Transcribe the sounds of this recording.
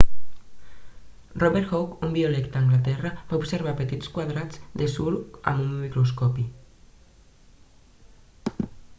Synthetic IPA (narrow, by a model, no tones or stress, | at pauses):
rɔβeɾxokumbiolɛkt̪aːŋɡlat̪ɛrabaubseɾβ̞apət̪it͡skwaðɾad͡zd̪esula̰mummikɾus̬kɔpi